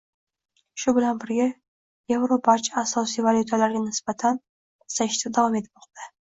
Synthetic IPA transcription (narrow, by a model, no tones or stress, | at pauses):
ʃʊbɪlanbɪɾɡʲa | jevɾopʰat͡ʃʰasɒsijvalʲjut̪ʰalaɾɡʲanɪsbat̪ʰan | saɪʃt̪ad̪avɒme̞t̪ʰmɒqt̪ʰḁ